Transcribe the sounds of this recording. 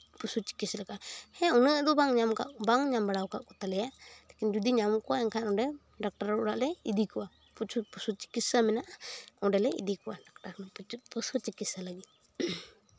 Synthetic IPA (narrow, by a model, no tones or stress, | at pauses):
pusut͡ʃi̥kislɛkahɛ̃ɔnəʔd̪ɔbaŋɲamka̰ʔbaŋɲambaɽawkaʔkɔt̪alɛjalɛkind͡ʒud̪iɲamkɔwaɛŋkʰanɔɖɛ | ɖak̚ʈaɾɔɽaʔlɛid̪ikɔwa | pʰpusut͡ʃi̥kisamɛnaʔaɔɖɛlɛḭd̪ikɔʔaɖak̚ʈaɾnpusɔt͡ʃikisalaɡit̪̚